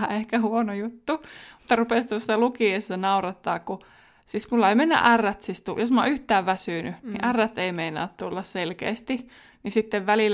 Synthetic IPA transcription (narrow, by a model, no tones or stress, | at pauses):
ehkæhuonojut̪ːumut̪ːɑrupeˑst̪osːɑlukiesːɑnɑurɑt̪ːɑːkku | sismulːɑeimenːæ̰ʔærːæt̪sist̪ṵjosmɑ̰yht̪æːʋʋæsyˑnynḭʔærːæt̪eimeinɑ̰ːt̪t̪ulːɑsselkḛːst̪i | nisit̪ːeʋʋælil